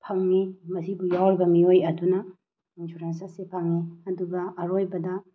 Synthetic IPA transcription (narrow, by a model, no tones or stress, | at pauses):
pʰɐŋnimɐsibujawɾibɐmiojɐdunɐ | insuɾensɐsepʰɐŋniɐduɡɐʔːɾojbɐdɐ